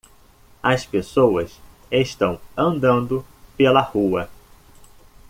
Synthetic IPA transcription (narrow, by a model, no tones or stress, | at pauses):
ɐspesowɐs | eʃt̪ɐ̃w̃ɐ̃nd̪ɐ̃nd̪ʊpelɐhuɐ